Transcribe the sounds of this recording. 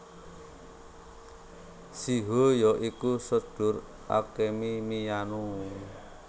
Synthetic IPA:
siɦojɔʔikusə̥ɖ̥ʊ̤r | ʔa̰kemimijanu

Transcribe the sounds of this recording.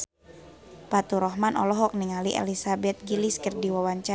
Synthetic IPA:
pat̪uɾɔɦmanʔɔ̰lɔɦɔk̚niŋaliʔḛlisabɛt̪̚ɡiliskərdiwawaɲt͡ʃa

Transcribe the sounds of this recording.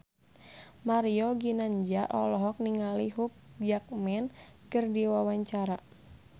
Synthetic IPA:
maɾiɔɡinaɲd͡ʒaʔɔ̰lɔɦɔk̚niŋaliɦup̚d͡ʒak̚mɛnkɨrdiwawaɲt͡ʃaɾa

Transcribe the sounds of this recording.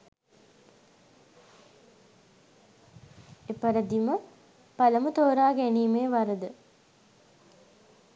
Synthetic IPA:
epɐɾəd̪imə | paləmut̪oːɾaːɡæniːmeːʋaɾəd̪ə

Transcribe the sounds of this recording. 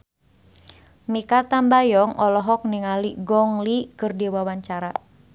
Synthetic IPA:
mikat̪ambajɔŋɔlɔɦɔk̚niŋaliɡɔŋlikɨrdiwawaɲt͡ʃaɾa

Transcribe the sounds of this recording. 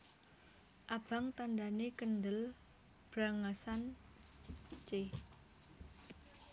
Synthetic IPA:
ʔab̥a̤ŋt̪andanekəndəl | b̥ɾaŋasan | t͡ʃe

